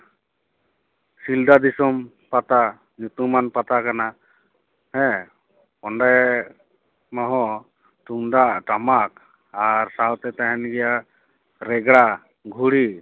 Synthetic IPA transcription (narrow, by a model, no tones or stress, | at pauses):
sild̪ad̪isɔm | pat̪a | ɲut̪umːanpat̪akana | hɛ̃ | pɔɳɖaj | mɔɦɔ̃ | t̪uŋd̪aʔʈamak̚ | aɾsawt̪ɛt̪aɦɛnɡɛjaʔ | ɾɛɡɽa | ɡʱuɽi